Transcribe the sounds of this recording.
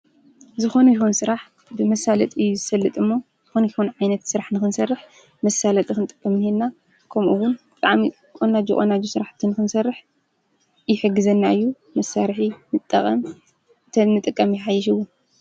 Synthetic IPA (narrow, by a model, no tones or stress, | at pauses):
zɨxo̞nujixunsɨɾaħ | bɨmɐsːalɐt̪ʼɨjːuzɨfɐlːɨt̪ʼɨmːo | zɨxonkixunʕajnɐt̪sɨɾaħnɨxɨnsɐrːɨħ | mɐsːalɐt̪ʼixɨnɨt̪ʼɨkʼːɐmjhenːa | kʰɐmʔuwʊnbɨt̪ʼaʕmi | kʼonːad͡ʒukʼonːad͡ʒusɨɾaħt̪ʰːɨnɨxɨnsɐrːɨħ | jɪħɨɡːɨzɐnːaɨjːu | mɐsːaɾħimɨt̪ʼːɐ̰kʼɐm | t̪ʰɐnːɨt̪ʼɨkʼːɐmjɪħajːɪʃ̬ɨwʊn